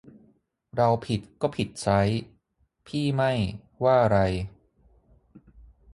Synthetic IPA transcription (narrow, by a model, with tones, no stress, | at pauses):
ɾa˧wpʰi˨˩t̪̚kɔː˥˩pʰi˨˩t̪̚t͡ɕʰa˦˥j | pʰiː˥˩ma˥˩j | waː˥˩˧ɾa˧j